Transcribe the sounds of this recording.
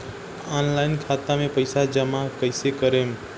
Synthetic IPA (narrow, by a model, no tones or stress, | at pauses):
anlajnkʰat̪amepəjsad͡ʒəmakəjsekəɾem